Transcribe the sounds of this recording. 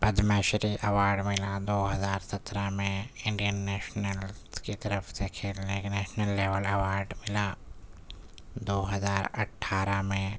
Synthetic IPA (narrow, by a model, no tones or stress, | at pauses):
pəd̪mɛːʃɾiʔɐʋaːɾɖmɪlad̪oːɦɐzaːɾsɐt̪ɾamẽɪ̃ɳɖijənːɛːʃnəlkit̪ɐɾəfʰsekʰeːlneknɛːʃnəlːeːʋəlɐʋaːɾɖmɪla | d̪oːɦɐzaːɾɐʈʰːaːɾamẽ